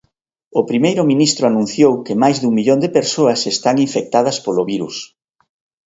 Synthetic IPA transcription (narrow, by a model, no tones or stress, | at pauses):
opɾimejɾʊminist̪ɾʊanũn̟θjowkemajzðuŋmiʎond̪epeɾsoɐsest̪aŋiɱfek̚t̪að̞ɐspoloβiɾṵs